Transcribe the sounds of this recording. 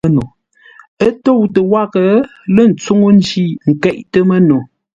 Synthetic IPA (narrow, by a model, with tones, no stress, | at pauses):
no˨ | ə˦to˦˨wtə˨wa˦˨kə˨lə˦˨n̩˨t͡su˦ŋo˦n̩˦d͡ʒi˦˨ŋ̩˨kɛ˦˨ʔtə˦mə˦no˨